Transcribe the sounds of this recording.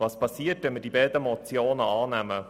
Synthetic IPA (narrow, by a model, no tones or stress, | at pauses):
vɑːspɑsiətʋɛnməɾd̥ibɛːd̪əmɔt͡sjoːnəɑːnæmə